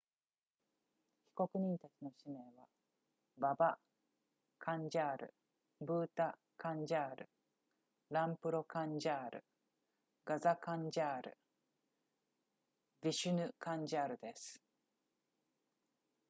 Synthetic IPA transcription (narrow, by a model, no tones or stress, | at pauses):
çʲi̥ko̞kɯ̟ɲ̟ĩnt̪at͡ɕino̞ɕime̞ːβa | baba | kʰãɲ̟d͡ʑaːɾɯ̟̰ | bɯ̟ːt̪a | kãɲ̟d͡ʑaːɾɯ̟ | ɾãmpɯ̟ɾo̞kãɲd͡ʑaːɾɯ̟̰ | ɡazakãɲd͡ʑaːɾɯ̟̰ | bʲiɕɨnɯ̟kãɲ̟d͡ʑaːɾɯ̟d̪e̞sɨ̥